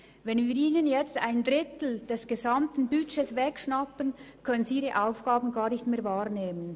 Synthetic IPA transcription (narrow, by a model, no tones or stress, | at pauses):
vɛnviːɾiːnənjɛt͡sta̰ɪndɾɪtl̩d̥ɛsɡ̥ezamtn̩byt͡ʃesvɛkʃnapənkʰœnənziiːʁəʔaʊfɡ̥aːbn̩ɡaːʁnɪçtmeːɐɾvaːɾneːmən